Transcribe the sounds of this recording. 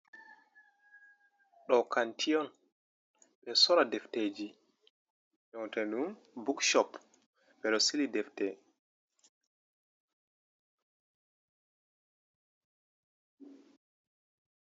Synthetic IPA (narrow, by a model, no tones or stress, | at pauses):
ɗɔkʰantʰiɔn | ɓɛsɔɾadɛfted͡ʒi | ʔɔwtɛnum | bukʃɔp | ɓɛɗɔsilidɛftɛ